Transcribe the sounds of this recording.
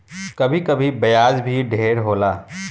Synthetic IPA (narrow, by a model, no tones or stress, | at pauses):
kɐbʱikɐbʱibɐjaːd͡ʒbʱiɖʱeːɾɦoːlaː